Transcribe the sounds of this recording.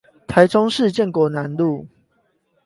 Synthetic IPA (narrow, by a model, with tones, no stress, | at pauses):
t̪ʰa˨˦ɪʈ͡ʂɔ˦ŋʂɻ̩˥˨t͡ɕjɛ˥˨nkwɔ˨˦na˨˦nlu˥˨